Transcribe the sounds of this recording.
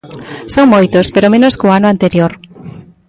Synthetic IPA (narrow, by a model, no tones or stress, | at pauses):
soŋmojt̪ospeɾomẽnoskoanʊant̪eɾjoɾ